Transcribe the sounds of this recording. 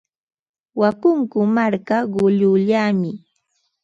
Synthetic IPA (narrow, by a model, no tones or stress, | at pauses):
wakʊŋkʊmaɾkaɢʊʎʊʎaːmɪ